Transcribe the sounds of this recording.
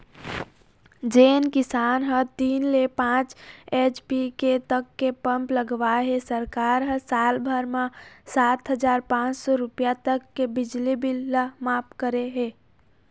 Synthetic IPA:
d͡ʒeːnkɪsaːnɦə̃t̪iːnlepãːt͡ʃeːt͡ʃpiket̪əkːepə̃mpləɡʋaɦesəɾkaːɾɦə̃saːlbʱəɾmãsaːt̪ɦəd͡ʒaːɾpãːt͡ʃsɔɾʊpjat̪əkːebɪd͡ʒlibɪlːəmaːpkəɾeɦeː

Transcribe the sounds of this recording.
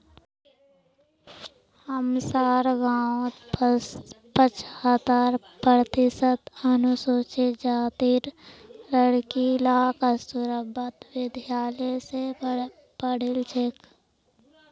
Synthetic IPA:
həmsaːɾɡaːw̪ | pət͡ʃʰət̪aːɾ | pɾət̪ɪsət̪ənʊsoːt͡ʃed͡ʒaːt̪iːɾləɽkilaːkəsʊɾəbət̪wɪd̪ʱjaːlese | pəɽ̤ɪlt͡ʃʰek

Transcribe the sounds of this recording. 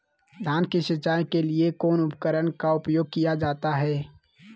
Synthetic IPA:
d̪ʱaːnkiʃət͡ʃaːjkeliekɔːnʊpkəɾəɽkaʊpjoːɡ̚kijad͡ʒaːt̪aɦɛː

